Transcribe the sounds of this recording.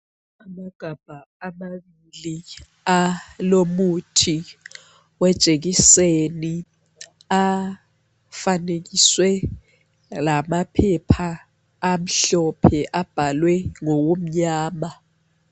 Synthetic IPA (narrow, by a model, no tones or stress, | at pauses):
amaɡ̥ʱab̥ʱaːmaɓili | alomutʰi | wɛd̥ʒ̥ʼʱek̬iseni | a | fanek̬iswɛ | lamapʰɛpʰaː | m̩ɬɔpʰɛʔab̥ʱalwɛŋɔwom̩ɲaːma